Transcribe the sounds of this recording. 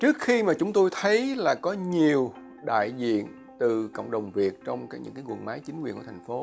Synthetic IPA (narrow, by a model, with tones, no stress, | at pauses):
t͡ɕɨ˦˥ək̚xi˧maː˨˩t͡ɕʊ˨˦ŋ͡mt̪o˧jt̪ʰə˨˦jlaː˨˩kɔ˨˦ɲi˨˩əw | ɗa̰ː˧˨jzḭ˧˨ən | t̪ɨ˨˩ko̰˧˨wŋ͡mɗə˨˩wŋ͡mvi˨˩ək̚t͡ɕɔ˧wŋ͡mkaː˨˦jɲɨ̰˧˥ŋkaː˨˦jkwə˨˩nmaː˨˦jt͡ɕi˨˦ŋkwḭ˧˨˩nkːt̪ʰa˨˩ŋfo˨˦